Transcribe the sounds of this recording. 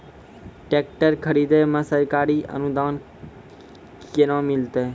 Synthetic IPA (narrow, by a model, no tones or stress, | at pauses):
ʈek̚ʈəɾkʰəɾid̪emãsəɾkaːɾiʔə̰nud̪aːn | kenãmɪlt̪e